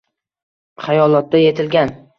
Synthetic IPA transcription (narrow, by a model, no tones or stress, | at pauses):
χajɒlˠɒt̪̚ːaje̞t̪ʰɪlɡʲan